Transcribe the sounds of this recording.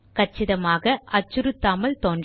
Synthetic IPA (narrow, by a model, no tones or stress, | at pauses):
kɐt͡ʃːɪðɐmaːɣɐʔɐt͡ʃːʊɾɯt̪ːaːmɐlt̪oːnd